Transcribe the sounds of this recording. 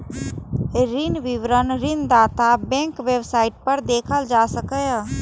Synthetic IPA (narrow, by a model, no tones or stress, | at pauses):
ɾɪnʋɪʋɾənɾɪnd̪aːt̪abɛ̃ːŋkʋeːbsaːɪʈ̚pəɾd̪eːkʰəld͡ʒaːsəkə